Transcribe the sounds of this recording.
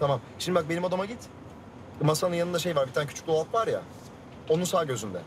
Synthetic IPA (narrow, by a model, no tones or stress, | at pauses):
t̪ʰamamʃimnd̪ibak̚benimad̪amaɟit̪ | masanɯnjanɯnd̪aʃe̞jvaɾbit̪ʰaːncʰy̥t͡ʃʰy̥cd̪oat̪vaɾja̰ | o̞nunsaːɟø̞zynd̪ɛ